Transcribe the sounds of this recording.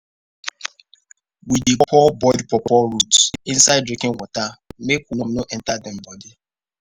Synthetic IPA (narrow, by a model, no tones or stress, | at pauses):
widepɔbɔdipɔpɔɹutĩnsaɪddɹĩkĩnwɔtamekunɔmnoʔɛ̃ntadɛ̃mbɔdi